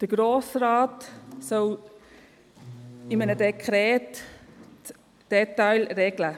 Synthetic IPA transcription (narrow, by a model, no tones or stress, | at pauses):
d̪̥əɡ̥ɾoːsraːtsɔl | ɪmənədekʰɾɛːt | d̥ɛtaɪlɾɛɡlə